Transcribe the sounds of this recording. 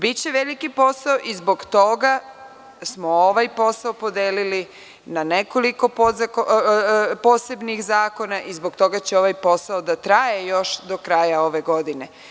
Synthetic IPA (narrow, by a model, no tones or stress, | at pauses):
bit͡ɕeʋelikipo̞saoʔizbo̞ɡt̪o̞ɡa | smo̞oʋajpo̞saopo̞d̪eːlili | naneko̞liko̞poko | po̞se̞bnixzaːko̞naʔizboɡt̪o̞ɡat͡ɕeo̞ʋajpo̞saod̪at̪ɾajejoʃd̪okɾajao̞ʋe̞ɡo̞d̪ine